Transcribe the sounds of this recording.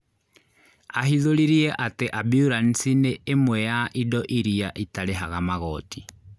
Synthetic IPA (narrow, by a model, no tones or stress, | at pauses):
aɦiðoliɾiɛʔateʔabiuɾan̩sineːmwɛjaʔidɔʔiɾiaʔitaɾeɦaɣamaɣɔti